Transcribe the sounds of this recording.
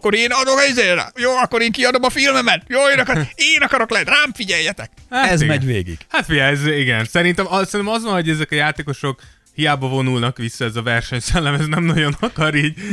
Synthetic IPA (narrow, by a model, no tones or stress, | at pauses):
kːo̞ɾeːnɒd̪okizeːɾa̰joːɒkːo̞ɾeːŋkiɒd̪o̞mɒfilmɛmɛt̪joːeːnɒkɾeːnɒkɒɾo̞klɛt̪raːmfiɟɛjːɛt̪ɛk̚haɛɛzmɛɟʋḛːɡḭɡ̥hat̪fiɛɛziɡɛnsɛɾint̪ɛmɒsɛɾinɛmɒzvɒnɦo̞ɟɛzɛkɒjaːt̪eːko̞ʃo̞k | hijaːbɒvo̞nulnɒkʋisːɒɛzɒvɛrʃɛɲsɛlːɛmɛznɛmnɒɟo̞nɒkɒɾiːɟ